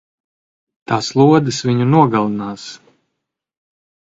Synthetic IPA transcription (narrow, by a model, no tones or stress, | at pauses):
t̪aːslˠuɔd̪ɨsviɲunuɔɡalˠɨnaːs